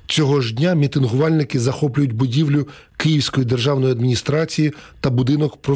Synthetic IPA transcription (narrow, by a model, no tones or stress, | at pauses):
t͡sʲɔɦɔʒdʲnʲamʲit̪ɪnɦʊʋɑlʲnɪkɪzɐxɔplʲʊjʊtʲbʊdʲiwlʲʊ | kɪjiwsʲkɔjid̪erʒɑwnɔjiɐd̪mʲinʲist̪ɾɑt͡sʲijit̪ɐbʊd̪ɪnɔkpɾɔ